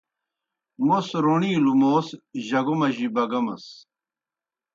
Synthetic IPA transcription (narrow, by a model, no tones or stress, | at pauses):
mosɾoɳiːlumoːsʑɐɡomɐʑibɐɡɐmɐ̰s